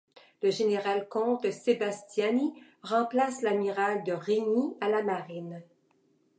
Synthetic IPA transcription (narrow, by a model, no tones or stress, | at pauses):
ləʒeneʁalkɔ̃t̪sebast̪jani | ʁɑ̃plaslamiʁald̪əʁiɲialamaʁɪn